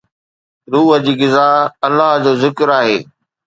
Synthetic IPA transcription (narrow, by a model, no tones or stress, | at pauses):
ɾuːɦəd͡ʑiːɣɪzaːɐlːaɦd͡ʑoːzɪkɾaːɦeː